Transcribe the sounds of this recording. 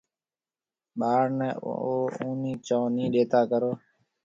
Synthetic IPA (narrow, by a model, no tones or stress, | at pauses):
ɓaːɾnɛːoːũːnĩːt͡ʃãːnĩːɗeːt̪ʰaːkəɾoː